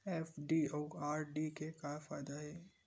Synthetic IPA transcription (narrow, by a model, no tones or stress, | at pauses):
eːfɖioːɡaːɾɖikekafaːjd̪aɦɛː